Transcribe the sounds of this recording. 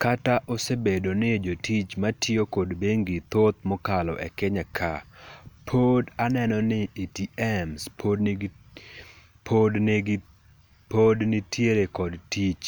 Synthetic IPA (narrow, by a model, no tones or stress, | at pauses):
kataʔosebedonɪd͡ʒotit͡ʃmatɪokodbeŋɡɪt̪ot̪̚mɔkalɔ̰ʔḛkɪɲakʰa̰ | pʰodanɛnɔnɪitiɛmspʰo | pʰodnɡ | podnɪtʰjeɾekɔdtit͡ʃ